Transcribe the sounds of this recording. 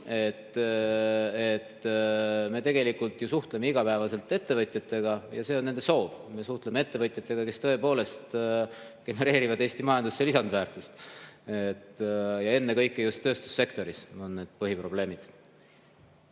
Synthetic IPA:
e̞t̪ː | et̪ | me̞t̪e̞ɡe̞likːult̪jusuht̪leme̞iɡɑpæevɑse̞lt̪ːˑe̞t̪ːe̞vɤt̪ʲˑjɑt̪ːˑe̞ɡ̥ɑjɑse̞ːonːe̞nd̪e̞so̞ːvme̞suht̪lemee̞t̪ːe̞vɤt̪ʲjɑt̪ːˑe̞ɡ̥ɑke̞st̪ɤ̞e̞po̞ːle̞st̪ | ɡ̥e̞ne̞ɾe̞ːɾivɑd̪̥eːst̪imɑjɑnd̪usːelisɑnd̪væːrt̪ˑust̪et̪ːjɑe̞nːe̞kɤjkːˑejust̪ːø̞ːst̪u̥sːe̞kt̪o̞ɾisonːe̞ːd̪̥pɤɦipro̞ble̞ːmid̪̥

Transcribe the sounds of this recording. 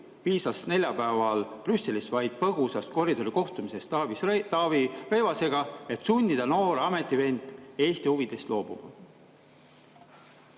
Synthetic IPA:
piːsɑsne̞lʲjɑpæːvɑlprysːe̞lisvɑjd̪̥̚pɤɡusɑst̪ko̞rid̪o̞ɾiko̞ht̪umise̞st̪ɑvist̪ɑvire̞jvɑse̞ɡ̥ɑe̞t̪sunʲd̪id̪̥ɑno̞ːɾɑme̞t̪ːˑive̞nd̪̥e̞ːst̪ihuvid̪̥e̞st̪lo̞ːb̥ṵb̥

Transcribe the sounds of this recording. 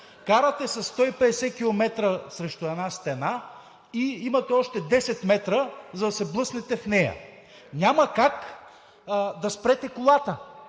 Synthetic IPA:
kaɾət̪ɛsɐsːt̪ɔipɛd̪ɛsɛkʲilˠomɛt̪ɾəsɾɛʃt̪ʊɛd̪nast̪ɛna | iimɐt̪ɛɔʃt̪ɛd̪ɛsɛt̪mɛt̪ɾəzɐd̪ɐsɛblˠɤsnɛt̪ɛfnɛjɐ̰ | ɲʲamɐkak | d̪ɐspɾɛt̪ɛkʊlˠat̪ə

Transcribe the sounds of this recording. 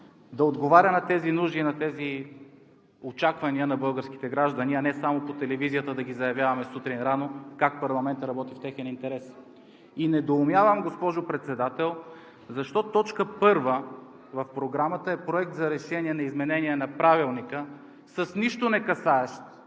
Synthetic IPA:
d̪ɐod̪ɡovaɾʲənɐt̪ɛzinuʒinɐt̪ɛzi | ot͡ʃakvɐniənɐbɤlˠɡəɾsk̟i̥t̪ɛɡɾaʒd̪əniɐnɛsamopot̪ɛlɛvizijət̪əd̪ɐɡʲizɐjɐvʲjavɐmɛsut̪ɾinɾanokak̚pɐɾlˠɐmɛnt̪əɾɐbɔt̪ift̪ɛxɛnint̪ɛɾɛs | inɛd̪oːmjavəmɡospɔʒopɾɛt̪sɛd̪at̪ɛlˠ | zɐʃt̪ɔt̪ɔt͡ʃkəpɤɾvə | vɐfpɾoɡɾamət̪əɛpɾoɛk̚t̪zɐɾɛʃɛniɛnɐizmɛnɛniɛnɐpɾavilˠnikə | səsniʃt̪onɛkɐsaɛʃt̪

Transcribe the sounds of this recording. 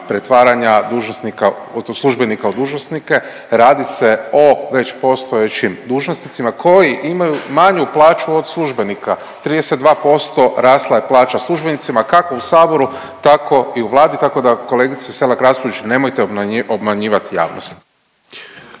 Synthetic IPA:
pɾe̞t̪ʋaːɾaɲad̪uːʒnosnika | oslˠuʒbe̞nikaod̪uːʒnosnike̞ | ɾaːd̪ise̞o̞ʋe̞t͡ʃpo̞st̪oet͡ʃimd̪uːʒnosnit̪simakʰo̞jiʔimajumaɲuplˠaːt͡ʃuo̞d̪slˠuʒbe̞nika | t̪ɾid̪esed̪d̪ʋaːpo̞st̪o̞ɾaːslˠaeplˠaːt͡ʃaslˠuʒbe̞nit̪simakako̞usaːbo̞ɾu | t̪akʰo̞iuʋlˠaːd̪it̪ako̞d̪ako̞leːɡit̪sise̞lakɾaspoet͡ʃne̞mojt̪eobmaɲiːʋat̪ija̰ːʋnost̪

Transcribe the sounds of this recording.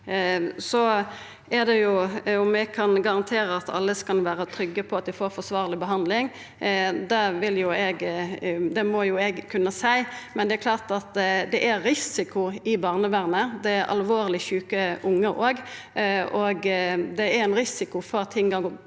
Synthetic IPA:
sɔ | ɛd̪ɛjʊʊmɛɡkʰɑnɡɑʁɑnt̪ʰeːɾəɑt̪ʰɑ̰lːəskɑnʋæːɾət̪ʰɾʏɡːəpʰɔɑt̪̚d̪ɪfoːɾfɔsʋɑːʁlɪbəɦɑnd̪lɪŋ | d̪ɛʋɪljʊɛɡ | d̪ɛmɔjʊɛɡkʰʉnːəsæɪmɛnd̪ɛæɾkʰlɑːʁt̪ɑt̪d̪ɛʔæːɪsɪkʊɪbɑːʁnəʋæʁnəd̪ɛæɾʔɑ̰lʋoːɾlɪçʉːkəʔʊŋːəʔoːɡ | ɔɡd̪ɛæɾɛnɾɪsɪkʊfɔɾɑt̪ʰːɪŋɡɑ

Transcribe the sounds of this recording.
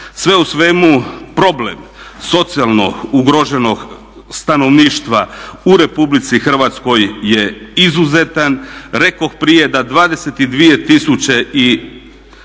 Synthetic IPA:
sʋe̞usʋe̞mupɾo̞blḛmso̞t̪sialˠno̞̰uɡɾoʒe̞no̞ɡ | st̪ano̞ʋniːʃt̪ʋauɾe̞publit̪sixr̩ʋat̪sko̞jːe̞izuze̞t̪anɾe̞ko̞xpɾije̞d̪ad̪ʋaːd̪eset̪id̪ʋije̞t̪isut͡ɕe̞i

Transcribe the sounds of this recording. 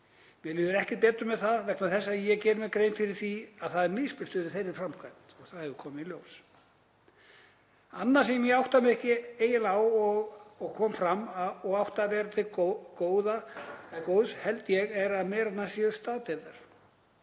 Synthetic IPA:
mjɛlɪːðʏɾɛhcɪpɛːt̪ʏmːɛðθavɛknaθɛsːajɛɣcɛːɾʏmɛðkɾeːjnfɪɾɪɾ̥θiaðθaðɛɾmɪspɪ̥st̪ʏðɪθejɾɪɾ̥fɾamkʰvajnt̪ɔɣθaðhɛvðʏkʰɔːmɪiljows | anːḁs̬ɛmjɛawht̪amɪɛhcɪeːjɪlawɔɣɔɣkʰɔːmfɾamɔɣawht̪avɛːɾat̪ʰɪkoːwðaɛðkoːwðshɛlt̪jɛɣɛɾaðmɛːɾat̪nasjɛʏst̪aːt̪eðaɾ̥

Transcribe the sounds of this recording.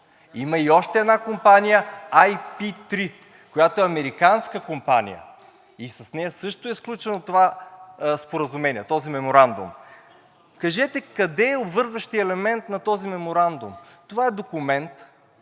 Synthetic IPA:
imɐiɔʃt̪ɛɛd̪nakompanijəajpit̪ɾi | kojat̪oɛɐmɛɾikanskəkompa̰nḭjə̰ | isɐsnɛjɐsɤʃt̪ʊɛsklʲut͡ʃɛnot̪ova | spoɾɐzumɛniɛt̪ɔzimɛmoɾand̪ʊ̰m | kɐʒɛt̪ɛkɐd̪ɛːobvɤɾzɐʃt̪iɛlɛmɛnt̪nɐt̪ɔzimɛmoɾand̪ʊm | t̪ovaɛd̪okʊmɛnt̪

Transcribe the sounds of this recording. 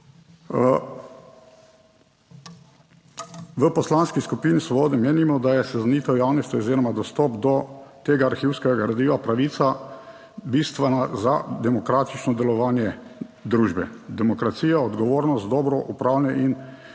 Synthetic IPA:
ʋəpɔslanskiskupiːnisʋɔbɔːd̪ɛmeːnimɔd̪ajɛsɛzaniːt̪ɔwjaːwnist̪ʲɔoziɾɔmad̪ɔst̪ɔpd̪ɔt̪eːɡaːɾxiwskɛɡaɡaɾad̪iːʋapɾaʋiːt̪sa | bist̪ʋɛnazad̪ɛmɔkɾaːt̪i̥t͡ʃnɔd̪ɛlɔʋaːnjɛd̪ɾuːʒbɛd̪ɛmɔkɾat̪siːjaɔd̪ɡɔʋoːɾnɔst̪̚d̪ɔːbɾɔʔupɾaːwlɛnɛʔin

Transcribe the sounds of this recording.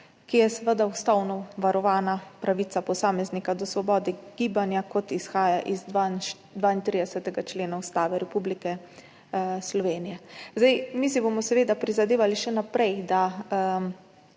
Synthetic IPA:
kijɛsɛʋəd̪awst̪awnɔʋaɾɔʋaːnapɾaʋiːt̪sapɔsaːmɛznikad̪ɔsʋɔbɔːd̪ɛɡ̥iːbanjakɔt̪isxaːjaʔizan | d̪ʋaint̪ɾid̪ɛsət̪ɛɡat͡ʃleːnaust̪aːʋɛɾɛpublikɛ | slɔʋeːnijɛzd̪ajmisibomɔsɛʋeːd̪apɾizad̪eːʋaliʃɛnapɾɛjd̪a

